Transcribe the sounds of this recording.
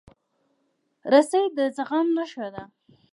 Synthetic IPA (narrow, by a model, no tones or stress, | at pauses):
ɾasajd̪əzaɣamnaʃwad̪a